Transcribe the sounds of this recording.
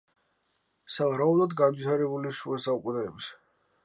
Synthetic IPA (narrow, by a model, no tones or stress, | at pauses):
savaɾaublˠɔd̪ɡanvit̪ʰaɾɛbuliʃuɛsaukʼunɛːbs